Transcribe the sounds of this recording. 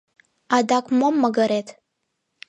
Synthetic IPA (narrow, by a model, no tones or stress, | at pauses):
adakʷʼmomːaɡaɾetʰʼ